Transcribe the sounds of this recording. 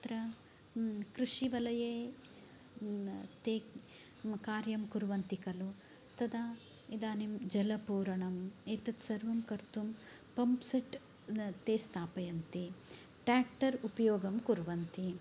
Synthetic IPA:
t̪ɾɐ | kɾuʂiʋɐlɐjeː | t̪eː | kaːɾjɐmkuɾʋɐnt̪ikɐlu | t̪ɐd̪a | id̪aːnimd͡ʒɐlɐpuːɾɐɳɐmeːt̪ɐt̪sɐɾʋɐmkɐɾt̪um | pɐmpsɐʈ | t̪eːst̪ʰaːpɐjɐnt̪i | ʈɾaːk̚ʈɐɾupɐjoːɡɐmkuɾʋɐnt̪i

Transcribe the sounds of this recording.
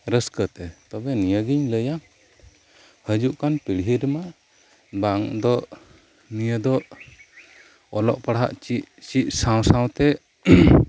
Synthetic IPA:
ɾəskət̪ɛt̪ɔbɛnijəɡiɲləja | həd͡ʒuʔkanpiɽɦiɾma | baʔŋd̪ɔʔ | nijəd̪ɔʔ | ɔlɔ̰ʔpaɽɦa̰ʔt͡ʃit͡ʃiʔsãw̃sãw̃t̪ɛ

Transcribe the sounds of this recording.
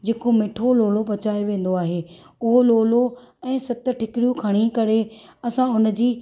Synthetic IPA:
d͡ʑeːkomeːʈʰoloːlopɐt͡ɕaːeʋẽːn̆d̪oaːɦeːʊɦoloːloɛ̃ːsɐt̪ʈʰɪkɪɽjũkʰɐɽ̃ikɐɾeɐsãʊnəd͡ʑiː

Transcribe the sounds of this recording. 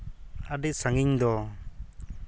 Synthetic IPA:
aɖisaŋiɲd̪ɔ

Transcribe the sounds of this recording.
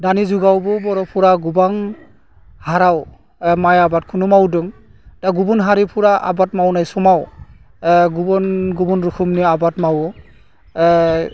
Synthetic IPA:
danizuɡawbɔbɔɹɔpʰuɹaɡubaŋ | haɾaw | majabat̚kʰunumawdɔŋ | d̥aɡubunɦaɾipʰuɹaʔa̰batmawnajsɔmaw | ɡubɔnɡubɔnɹukʰumniabatmawɔ

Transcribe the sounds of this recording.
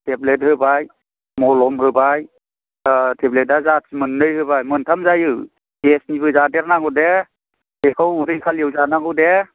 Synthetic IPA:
tʰeblet̚hɯbaj | mɔlɔmhɯbaj | tʰeblet̚dazasmɯnːɯjɦɯbajmɯntʰamzajɯ | ɡesnibɯzadeɾnaɡɯwde̥ | ekʰawɾɯjkʰaljewzanaɡɯwde

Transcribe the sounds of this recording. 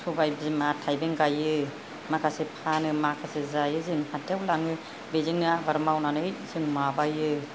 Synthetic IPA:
subajbzimatʰajbeŋɡajɯ | makʰasepʰanɯmakʰasezajɯzɯŋhatʰewlaŋɯ | bezɯŋnɯabaɾmawnanɯjzɯŋmabajɯ

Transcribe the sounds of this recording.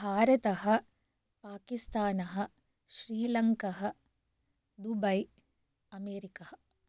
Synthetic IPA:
bʱaːɾɐt̪ɐɦɐ̆ | paːkist̪aːnɐɦɐ̆ | ʃɾiːlɐŋkɐɦɐ̆ | d̪ubɐj | ɐmeːɾikɐhɐ

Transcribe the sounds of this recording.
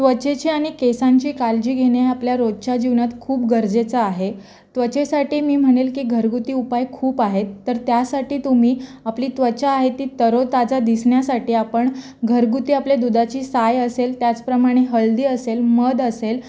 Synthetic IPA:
t̪ʋət͡ɕet͡ɕiːaɽ̃ikesãɲt͡ɕiːkald͡ʑiːɡʱeɽ̃eapljaɾod̪̚t͡ɕad͡ʑiʋnat̪kʰuːpɡəɾd͡zet͡saːɦe | t̪ʋət͡ɕesaʈiːmiːm̤əɽ̃elkiːɡʱəɾɡut̪iːupajkʰuːpaɦet̪ːəɾt̪jasaʈiːt̪um̤iːapliːt̪ʋət͡ɕaːɦet̪iːt̪əɾot̪ad͡zad̪isɳjasaʈiːapəɳ | ɡʱəɾɡut̪iːapled̪ud̪at͡ɕiːsajəselt̪jat͡spɾəmaɽ̃eɦəld̪iːəselməd̪əsel

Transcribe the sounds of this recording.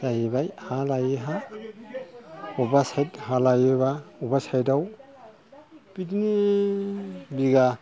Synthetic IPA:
jajibajhalajiɦa | ɔbasajthalajeβaubasajdaw | pitini | biɡa

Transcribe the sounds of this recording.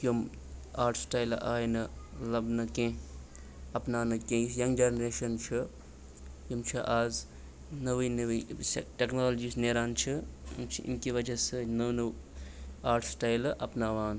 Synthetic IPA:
kjum | aːɾʈʰsʈaːilʔaːjnɨlɐbnɨkẽː | ɐpnaːnɨkẽːsjɐŋɡd͡ʒeːnɾeːʃɐnt͡ʃʰi | kumt͡ʃʰiʔaːz | nɐʋiːnɐʋisʈeknoːlod͡ʒiːsneːɾaːnt͡ʃʰḭmt͡ʃʰiḭnkiʋɐd͡ʒɐsɨnɐwnɐw | aːɾʈʰsʈaːjlʔɐpnaːʋaːn

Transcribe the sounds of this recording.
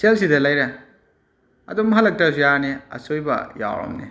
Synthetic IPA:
selsidɐlɐjɾɐ | ɐ̰dumɐɦɐlːɐk̚tas̬ujaneɐ̰sojbɐ̰ja̰wɾo̰mnḛ

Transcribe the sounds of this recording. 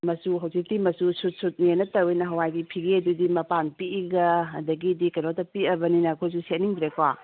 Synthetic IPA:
mɐsuɦawsik̚dimɐsusutsut̚nenɐtɐwenɐɦɐwajdipʰiɡeɐdudimɐpanpiiɡɐɐdɐɡidikɐjnotɐpiɐbɐninɐkʰojs̬uset̚niŋbiɾekoa

